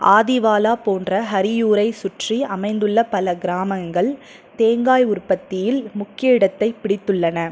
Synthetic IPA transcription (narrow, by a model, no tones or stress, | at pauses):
ʔaːðɪʋaːlaːpoːndrɐɦɐɾɪjuːɾɐɪsʊʈriɐmɐɪnd̪ɯɭːɐpɐlɐɡɪɾaːmɐŋɡɐɭ | t̪eːŋɡaːjʊrpɐt̪ːɪjɪlmʊkːɪjɐɪɽɐt̪ːɐɪpɪɽɪt̪ːɯɭːɐnɐ